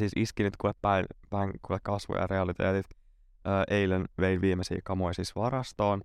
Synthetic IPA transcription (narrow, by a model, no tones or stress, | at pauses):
siːsiskinit̪kuʋeppæjpæiŋkuʋekkɑsʋo̰jɑ̰reɑlit̪ḛːt̪it̪ | əːʔejlenʋejnʋiːmesḭːkɑmojsiːsʋɑɾɑst̪oːn